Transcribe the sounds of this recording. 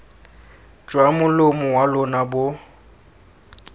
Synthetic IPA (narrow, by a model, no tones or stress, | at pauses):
d͡ʒwamʊlʊmʊwalʊnabʊ